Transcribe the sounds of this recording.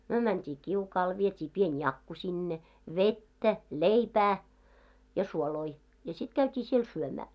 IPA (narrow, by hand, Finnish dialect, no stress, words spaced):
myø mæntʲiː kiukɑːl ʋietʲiː pien jɑkːu sinːe ʋetːæ leipæː jɑ suoloi jɑ sit kæytʲiː siel syømæː